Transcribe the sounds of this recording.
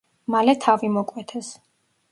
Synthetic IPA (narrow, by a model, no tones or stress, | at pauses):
malɛt̪ʰavimɔkʼwɛt̪ʰɛs